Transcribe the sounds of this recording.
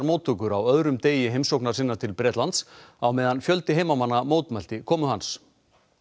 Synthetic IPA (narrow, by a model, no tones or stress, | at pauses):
ɾmoːwt̪ʰːʏkʏɾawœðɾʏmt̪eːjɪɦejmsowknaɾ̥siːnaɾt̪ʰɪlpɾɛːt̪lant̪sawmɛːðanfjœlt̪ɪɦeːjmamanːamoːwt̪mal̥t̪ɪkʰɔːmʏɦans